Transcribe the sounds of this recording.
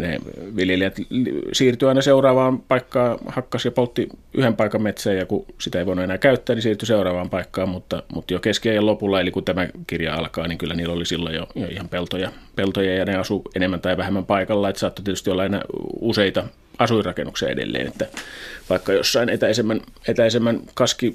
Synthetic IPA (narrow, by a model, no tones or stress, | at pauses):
nḛʋiljeliæt̪lsiːrt̪yɑinɑseurɑːʋɑːmpɑikːɑːhɑkːɑsjɑpolt̪ːiy̰hempɑikɑmmet̪sæːjɑkusit̪æeiʋoˑinuenæːkæyt̪ːæːnisiːrt̪yseurɑːʋɑːmpɑikːɑːmmut̪ːɑmut̪jokeskiæjelopulːɑelikut̪æmækirjɑ̰ɑ̰lkɑːniŋkylːæniːlolisilːo̰jjo̰jo̰ihɑmpelt̪ojɑpelt̪ojɑjɑneɑsuenemːænt̪ɑiʋæhemːæmpɑikɑlːɑet̪ːsɑːt̪ːot̪iet̪yst̪iolːɑenæ̰useit̪ɑ | ɑsuirɑkenːuksiɑ̰ḛdḛlːḛːnḛt̪ːæʋɑikːɑjosːɑinet̪æisemːænet̪æisemːænkɑski